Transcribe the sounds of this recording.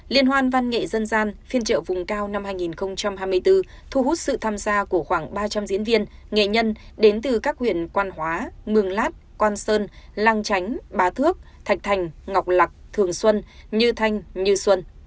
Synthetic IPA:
li˧ənɦwaː˧nva˧nŋḛ˧˨zə˧nzaː˧nfi˧ənt͡ɕə̰ː˧˨vʊ˨˩ŋ͡mkaː˧wna˧mhaː˧jŋi˨˩nxə˧wŋ͡mt͡ɕa˧mhaː˧jmɨ˧əjt̪ɨ˧ | t̪ʰu˧˩hu˦˥t̚sɨ̰˧˨t̪ʰaː˧mzaː˧ku˧˩əxwaː˧˩ŋɓaː˧t͡ɕa˧mzḭ˧˥ənvi˧ənŋḛ˧˨ɲə˧nɗe˨˦nt̪ɨ˨˩kaː˦˥k̚hwḭ˧˨ənkwaː˧nhwaː˨˦mɨ˨˩əŋlaː˦˥t̚kwaː˧nsəː˧nlaː˧ŋt͡ɕa˨˦jŋ̟ɓaː˨˦t̪ʰɨ˦˥ək̚t̪ʰa˨˩jk̚t̪ʰa˨˩jŋ̟ŋ˨˩wk͡p̚la˨˩k͡p̚t̪ʰɨ˨˩əŋswə˧nɲɨ˧t̪ʰa˧jŋ̟ɲɨ˧swə˧n

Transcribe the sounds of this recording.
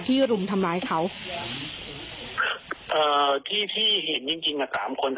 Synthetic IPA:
t̪ʰiː˥˩ɾu˨˩mt̪ʰa˧mlaː˧˥jkʰa˦˥w | ʔɤː˨˩t̪ʰiː˥˩t̪ʰiː˥˩ɦe˩˦nt͡ɕi˧ŋt͡ɕi˧ŋka˨˩saː˩˦mkʰo˧n

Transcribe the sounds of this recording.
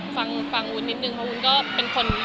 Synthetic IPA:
fa˧ŋfa˧ŋuː˧˩ni˦˥t̪̚nɯ˧˩ŋpʰa˧u˧nkɔː˥˩pe˧nkʰo˧n

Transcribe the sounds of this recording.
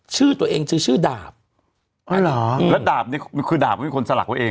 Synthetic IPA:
t͡ɕʰɯː˦˥˩t̪u˧əʔeː˧ŋt͡ɕʰɯː˧t͡ɕʰɯː˦˥˩ɗaː˨˩p̚ | ʔɔ˨˧˦lɔː˩˦˧lə˦˥t̪̚daː˨˩p̚ni˦˥m˧kʰɯː˧˩daː˨˩p̚ɔ˦˧˩kʰo˧nsa˧la˨˩k̚t̪ːə˧ʔeː˧ŋ

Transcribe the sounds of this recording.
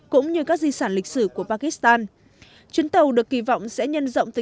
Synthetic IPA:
kʊ̰˧˥ŋ͡mɲɨ˧kaː˦˥k̚zi˧saː˧˩nli˨˩k̟̚sɨ˧˩ku˧˩əpaː˧ki˦˥st̪aː˧n | t͡ɕwi˨˦ənt̪ə˨˩wɗɨ˨˩əkːi˧˩vɔ̰˧˨wŋ͡msɛ̰˧˥ɲə˧nzə̰˧˨wŋ͡mt̪ə˨

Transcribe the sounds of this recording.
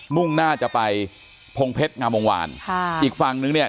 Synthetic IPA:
mu˥˩ŋnaː˥˩t͡ɕa˨˩pa˧j | pʰo˧ŋpʰe˦˥t̪̚ŋaː˧mo˧ŋwa̰ː˧nkʰʔʔiː˨˩k̚fa˧ŋnɯ˧ŋni˥˩ɐ

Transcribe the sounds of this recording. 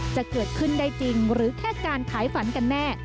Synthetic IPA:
t͡ɕa˨˩kɤː˨˩t̪̚kʰɯ˥˩nda˥˩jt͡ɕi˧ŋɾɯː˩˦kʰɛː˥˩kaː˧nkʰaː˩˦jfa˩˦nka˧nːɛː˥˩

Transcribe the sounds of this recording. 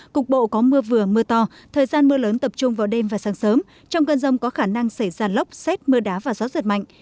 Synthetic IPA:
kʊ˨˩k͡p̚ɓo̰˧˨kɔ˨˦mɨ˧əvɨ˨˩əmɨ˧ət̪ɔ˧ | t̪ʰəː˨˩jzaː˧nmɨ˧ələː˨˦nt̪ə˨˩p̚t͡ɕʊ˧ŋ͡mvaː˨˩wɗe˧mvaː˨˩saː˨˦ŋsəː˨˦m | t͡ɕɔ˧wŋ͡mkəː˧nzə˧wŋ͡mkɔ˨˦xaː˧˩na˧ŋsa˧˩jzaː˧lə˦˥wk͡p̚sɛ˦˥t̚mɨ˧əɗaː˨˦vaː˨˩zɔ˨˦zə˨˩t̚ma̰˧˨ŋ

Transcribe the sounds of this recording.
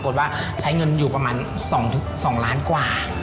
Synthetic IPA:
ko˨˩t̪̚waː˥˩ | t͡ɕʰa˦˥jŋɤ˧njuː˨˩pɾa˧maː˧n | sɔː˩˦ŋt̪ʰɯ˩sɔː˩˦ŋlaː˦˥nkwaː˨˩

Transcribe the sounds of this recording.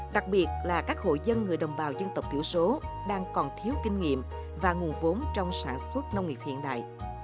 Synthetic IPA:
ɗa˨˩k̚ɓi˨˩ət̚laː˨˩kaː˦˥k̚ho̰˧˨jzə˧nŋɨ˨˩əjɗə˨˩wŋ͡mɓaː˨˩wzə˧nt̪ə˨˩k͡p̚t̪ʰi˧˩əwso˨˦ | ɗaː˧ŋkɔ˨˩nt̪ʰi˨˦əwkï˧ŋ̟ŋḭ˧˨əm | vaː˨˩ŋu˨˩ənvo˨˦nt͡ɕɔ˧wŋ͡msaː˧˩nswə˦˥t̚nə˧wŋ͡mŋi˨˩p̚hḭ˧˨ənɗa̰ː˧˨jʔ

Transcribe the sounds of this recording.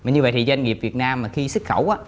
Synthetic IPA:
maː˨˩ɲɨ˧və̰˧˨jt̪i˨˩zə˧ŋ̟ŋi˨˩p̚vi˨˩ət̚naː˧mːaː˨˩xi˧sɨ˦˥k̚xə˧˩wʔaː˨˦

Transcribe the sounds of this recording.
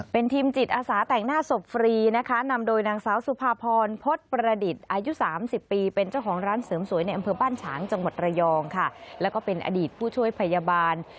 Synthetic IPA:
pe˧nt̪ʰiː˧mt͡ɕi˨˩t̪̚ʔaː˧saː˩˦t̪ɛ˨˩ŋnaː˥˩so˨˩p̚fɾiː˧na˦˥kʰa˦˥na˧mdoː˧jnaː˧ŋsaː˦˥wsu˨˦pʰaː˧pʰɔː˧npʰo˦˥t̪̚pɾa˧di˨˩t̪̚ʔaː˧ju˦˥saː˩˦msi˨˩pːiː˧pe˧nt͡ɕa˥˩wkʰɔː˩˦ŋɾaː˦˥nsɤː˩˦msu˨˩˦jna˧jʔa˧mpʰɤː˧baː˥˩nt͡ɕʰaː˩˦ŋt͡ɕa˧ŋwa˨˩t̪̚ɾa˧jɔː˧ŋkʰa˥˩lɛː˦˥wkɔː˥˩pe˧nʔa̰ː˧diː˨˩t̪̚pʰuː˥˩t͡ɕʰu˥˩əjpʰa˧jaː˧baː˧n

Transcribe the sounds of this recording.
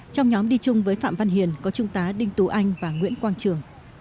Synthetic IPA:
t͡ɕɔ˧wŋ͡mɲɔ˨˦mɗi˧t͡ɕʊ˧ŋ͡mvəː˨˦jfa̰ː˧˨mva˧nɦi˨˩ənkɔ˨˦t͡ɕʊ˧ŋ͡mt̪aː˨˦ɗï˧ŋ̟t̪u˨˦ʔa˧jŋ̟vaː˨˩ŋwḭ˧˥ənkwaː˧nt͡ɕɨ˨˩əŋ

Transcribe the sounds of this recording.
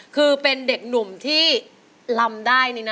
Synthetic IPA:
kʰɯː˧pe˧nde˨˩k̚nu˨˩mt̪ʰiː˥˩ | la˧mdaː˥˩jni˦˥˩na˦˥

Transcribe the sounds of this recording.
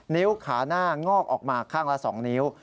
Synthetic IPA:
niː˦˥wkʰaː˩˦naː˥˩ŋɔː˥˩k̚ʔɔː˨˩k̚maː˧kʰaː˥˩ŋla˦˥ʔsɔ̰ː˩˦ŋni˦˥w

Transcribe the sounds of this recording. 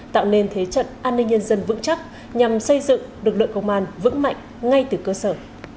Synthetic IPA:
t̪a̰ː˧˨wne˧nt̪ʰe˨˦t͡ɕə̰˧˨nʔaː˧nːï˧ŋ̟ɲə˧nzə˧nvɨ̰˧˥ŋt͡ɕa˦˥k̚ | ɲa˨˩msə˧jzɨ̰˧˨ŋɗɨ˨˩ək̚lɨ̰˧˨ŋkə˧wŋ͡mʔaː˧nvɨ̰˧˥ŋma̰˧˨jŋ̟ | ŋa˧jt̪ɨ˨˩kəː˧səː˧˩

